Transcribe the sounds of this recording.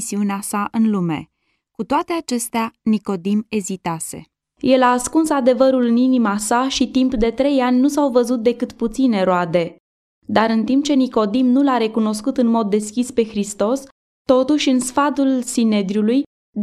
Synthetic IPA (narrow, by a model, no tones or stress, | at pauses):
siuneasaʔɨnlume̞̰ | kut̪oat̪e̞at͡ʃe̞st̪eaniko̞d̪ime̞zit̪ase̞̰ | je̞laːskunsad̪e̞vəɾulɨninimasaʃit̪impd̪e̞t̪ɾe̞janʲnusawvəzut̪̚d̪e̞kɨt̪put̪sine̞ɾoad̪e̞ | d̪aɾɨnt̪imp̚t͡ʃe̞niko̞d̪imnulaɾe̞kuno̞skut̪ɨnmo̞d̪ːe̞skʲispe̞xɾist̪o̞s | t̪o̞t̪uʃʲɨnsfad̪ulsined̪ɾjuluj